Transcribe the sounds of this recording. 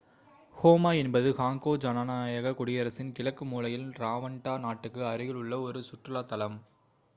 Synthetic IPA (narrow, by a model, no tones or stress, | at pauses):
hoːmaːɛnbɐðɯhaːŋkoːd͡ʒɐnanaːjɐɣɐkʊɽɪjɐɾɐsɪnkɪɭɐkːɯmuːlɐjɪlɾaːʋɐɳʈaːnaːʈːɯkːɯɐɾɯɣɪɭʊɭːɐɔɾɯsʊʈrɯlaːt̪ɐlɐm